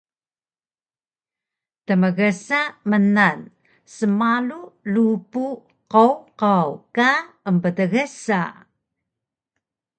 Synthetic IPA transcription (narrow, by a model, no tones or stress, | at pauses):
təməɣəsamənan | səmalulupu | qowqawka | əmpədəɣəsa̰